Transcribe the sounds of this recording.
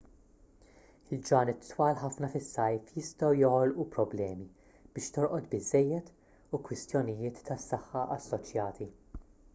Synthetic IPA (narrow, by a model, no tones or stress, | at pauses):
ɪld͡ʒɐːnɪt̪ːwɐːlħɐfnɐfɪsːɐjfjɪst̪ɐwjɔhɔlʔupɾɔblɛːmi | b̥ɪːʃt̪ɔɾʔɔt̪bɪzːɛjːɛt̪ | ukwɪst̪jɔnɪjɪːt̪ʰːɐsːɐħːɐʔɐsːɔt͡ʃjɐːt̪ʰi